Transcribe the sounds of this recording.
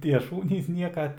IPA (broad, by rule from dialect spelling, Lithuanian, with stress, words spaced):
ˈtʲiɛ ˈʃuːnʲiːs ˈnʲiɛkɐ